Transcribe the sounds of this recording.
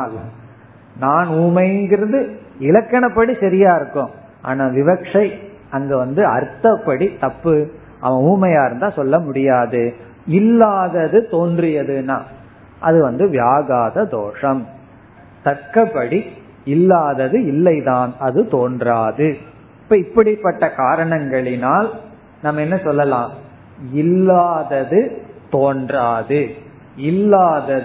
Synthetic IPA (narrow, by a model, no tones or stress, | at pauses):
l | naːnuːmɐjɪnɡɪɾɐðɯɪlɐkːɐɳɐpːɐɽisɐɾɪjaːɪɾɯkːõː | ʔa̰ːnaːʋɪʋɐkʂɐɪ | ɐŋɡɐʋɐnd̪ɯɐ̰ɾt̪ːɐpːɐɽit̪ɐpːɯ | ʔɐ̰ʋɐ̃uːmɐjaːɪɾɯnd̪aːsɔlːɐmʊɽɪjaːðɯ | ɪlːaːðɐðɯt̪oːndrɪjɐðɯnaː | ʔɐ̰ðɯʋɐnd̪ɯʋjaːɣaːðɐd̪oːʂɐm | t̪ɐɾkɐpːɐɽi | ɪlːaːðɐðɯɪlːɐɪðaːnɐðɯt̪oːndraːðɯ | ɪpːɐːɪpːɐɽɪpːɐʈːɐkaːɾɐɳɐŋɡɐɭɪnaːl | namːɐɛnːɐsɔlːɐlãː | ɪlːaːðɐðɯt̪oːndraːðɯ | ɪlːaːðɐ